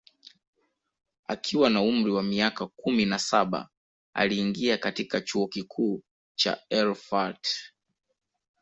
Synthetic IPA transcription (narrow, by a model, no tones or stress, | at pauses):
a̰kʰiwanaum̩ɾiwamiakakuminasaɓa̰ | a̰liːŋɡiakatikat͡ʃuɔkikʰuː | t͡ʃa̰ɛlfat